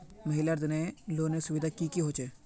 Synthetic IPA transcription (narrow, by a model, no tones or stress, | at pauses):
məɦɪlɐɾd̪əneːloːneːsʊʋid̪ʱaːkiːkiːɦoːt͡ʃeː